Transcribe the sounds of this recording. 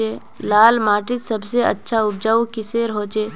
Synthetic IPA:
eː | laːlmaːʈɪt̪sɐbseɐ̰tːʃʰaʊb̚d͡ʒaːukɪseːɾɦoːt͡ʃeː

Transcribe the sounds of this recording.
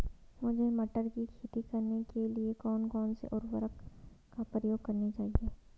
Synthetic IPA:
mʊd͡ʒʱemɐʈəɾkikʰiːt̪ikɐɾnekeliekɔːnkɔːnsḛʔɔːɾʋəɾək | kːapɾəjoːɡ̚kɐɾnit͡ʃaːɦieː

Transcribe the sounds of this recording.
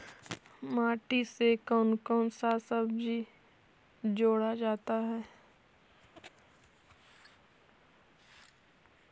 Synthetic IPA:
maːʈisekɔːnkɔːnsasəbd͡ʒʱi | d͡ʒoːɽad͡ʒaːt̪aɦɛː

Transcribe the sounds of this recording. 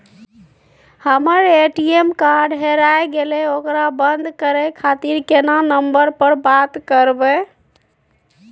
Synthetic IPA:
həməɾeʈiemkaɾɖɦeɾajɡelɛokɾabənd̪ʱkəɾɛkʰat̪iɾkenanəmbəɾpəɾbat̪kəɾbɛ

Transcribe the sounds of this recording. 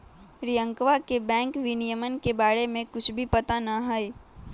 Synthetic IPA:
ɾijə̃ŋkʋakebɛ̃ːŋkʋɪnijəmənkebaːɽemẽkʊt͡ʃʰbʱipɐt̪anɐɦəi

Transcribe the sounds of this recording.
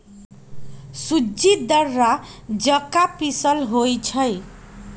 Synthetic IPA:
sud͡zid̪ʌrːad͡zʌkapisʌlɦojt͡sʰʌj

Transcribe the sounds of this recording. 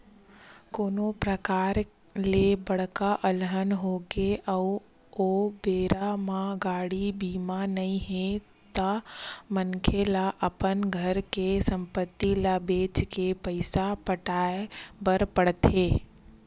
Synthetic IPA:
koːnopɾəkaːɾ | lebɐɽ̤kaʔɐlɦənɦoɡeʔəu | obeːɾamãɡaːɽibiːmanɐĩɦẽ | t̪amənkʰelaʔəpənɡʱəɾkesɐ̃mpət̪ːilabeːt͡ʃkepəɪsapəʈaːebəɾpəɽt̪ʰeː

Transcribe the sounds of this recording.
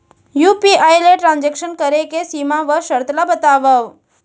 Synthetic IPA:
jupiajleʈɾãnd͡ʒekʃənkəɾekesimãʋəʃəɾt̪labət̪aʋəʋ

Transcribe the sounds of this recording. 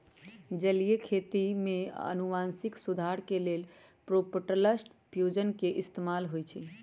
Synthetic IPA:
d͡ʒəlijekʰet̪imeə̰nuʋansiksud̪ʱaɾkelel | pɾopəʈələsʈ | pʰjud͡ʒənkeʔist̪emalɦojt͡ʃʰi

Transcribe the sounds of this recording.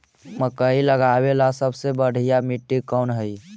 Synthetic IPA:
məkəiləɡabelasəbsebəɽ̤ʱijamiʈːikɔnɦəj

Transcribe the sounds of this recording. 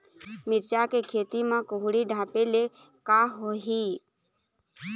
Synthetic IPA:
mɪɾt͡ʃakekʰeːt̪imãkoɦɽiɖʱaːpele | kaɦoɦiː

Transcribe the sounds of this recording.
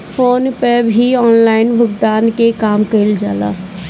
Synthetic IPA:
foːnpəbʱiɔːnlaːɪnʋəɡd̪aːnkekaːmkəɪld͡ʒaːla̰ː

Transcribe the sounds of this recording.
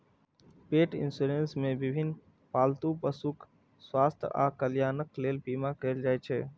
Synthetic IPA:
peːʈɪ̰nsuɾensmẽbɪbʱɪn | paːlt̪upəsuk | swaːst̪ʰʔa̰ːkəljaːnəkleːlbiːmakeːld͡ʒaːjt͡ʃʰɛ

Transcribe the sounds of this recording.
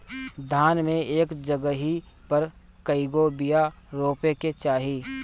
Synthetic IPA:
d̪ʱaːnmẽeːkd͡ʒəɡəɦi | pɐɾ | kəɪɡobija | ɾoːpeket͡ʃaːɦiː

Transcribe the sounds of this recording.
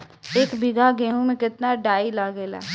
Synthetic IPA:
eːkbɪɡaɡeːɦũmẽkɪt̪naɖaːilaɡeːla̰ː

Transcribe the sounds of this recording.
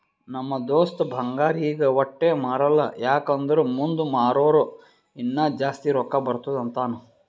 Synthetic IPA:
nɐmːɐd̪oːst̪ɐbʱɐŋɡaːɾijɡɐʋɔʈːeːmaːɾɐlːɐ̰jaːkɐnd̪ɐɾumund̪umaːɾoːɾu | inːɐd͡ʒaːst̪iɾɔkːɐbɐɾt̪ud̪ɐnt̪aːnu

